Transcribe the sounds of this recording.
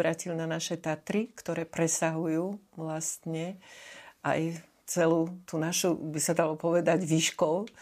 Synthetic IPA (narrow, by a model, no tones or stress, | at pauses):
ɾaːcilnanaʃɛt̪at̪ɾikt̪ɔɾɛːpɾɛsaɦujuːʋlast̪ɲɛ | ʔa̰j | t͡sɛluːt̪unaʃubisad̪alɔpɔʋɛd̪aɟʋiʃkɔʊ